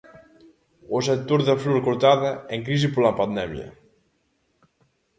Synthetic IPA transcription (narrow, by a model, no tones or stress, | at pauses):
osək̚t̪oɾðəfluɾkuɾt̪aðəeŋk̬ɾiz̬ipoɾlapand̪ɛmjə̰